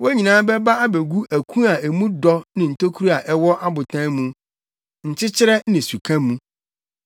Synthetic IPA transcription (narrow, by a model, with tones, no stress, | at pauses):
wɔ˦æ˦ɲĩ˨nãː˦bɛ˦ba˦a˦be˨ɡu˦ʔæ˨kʰũ˦a˨e˨mũ˦dɔ˦nɪ̃˨n̩˨tʰo˦kʰu˦ɾi˦a˨ʔɛ˦wɔ˦ʔa˦bʊ˨tʰã˦mũ˦ | n̩˨t͡ɕɪ˦t͡ɕʰɪ˦ɾɛ˦nɪ̃˨su˨kʰã˦mũ˦